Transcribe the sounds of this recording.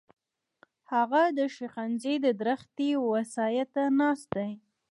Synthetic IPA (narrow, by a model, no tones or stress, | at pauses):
haɣad̪əʃiqanzed̪əd̪ɾəxt̪ewasɑjat̪anɑst̪̚d̪aj